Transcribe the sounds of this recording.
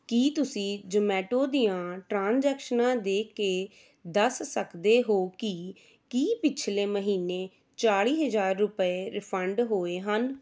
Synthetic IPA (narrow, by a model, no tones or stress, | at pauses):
kiːt̪ʊsĩːd͡ʒəmɛːʈoːd̪iːjãːʈɾãːnzɛːkʃənãːd̪eːkeː | d̪əsːəkd̪eːɦoːki | kiːpɪt͡ʃʰleːməɦiːneː | t͡ʃaːɽiːɦəzaːɾːʊpəeːɾɪpʰəɳɖɦoːeːɦən